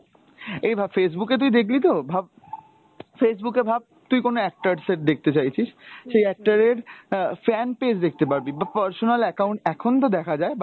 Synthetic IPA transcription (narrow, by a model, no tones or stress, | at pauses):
ejbʱabfes̬buket̪̬uid̪ekʰlit̪obʱab̚ | fesbukeɾbʱab̚t̪ujkonoɛk̚ʈaɾseʈ̚d̪ek̚ʰt̪et͡ɕajt͡ɕʰiʃʃejɛk̚ʈaɾeɾfɛnped͡ʑd̪ek̚ʰt̪epaɾbibapəɾsonalɛkaũɳʈ̚ɛkʰont̪̬od̪ɛkʰad͡ʑaeba